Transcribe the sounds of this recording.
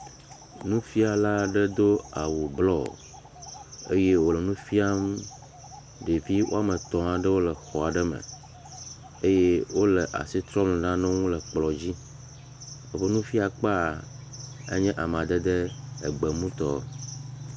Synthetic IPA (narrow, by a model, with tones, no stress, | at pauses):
nũ˦fi˦a˨la˦ɖə˦d̪o˦a˨wu˨blɔ˦˨ | ḛ˦je˦wo˨lɛ˨nũ˦fi˦a˦m | ɖe˨vi˦wo̰˦a˦mɛ̃˨t̪ɔ̃˨ã˨ɖə˦wo˦lɛ˨xɔ˨a˨ɖɛ˦mə̰̃˨ | e˦je˦wo˦lɛ˨ʔa̰˨si˦t̪ɾɔ˦mlɛ̃˨nã˦nɛ̃˦ŋũ˦lɛ˨k͡plɔ˨d͡ʑi˦ | ə˦ɸə˦nũ˦fi˦a˨k͡pa˦˨ | ḛ˦ɲɛ̃˦ʔa˨m˨ã˨d̪ə˦d̪ɛ˦ɛ̰˨ɡ͡bɛ˨mũ˦t̪ɔ˦˨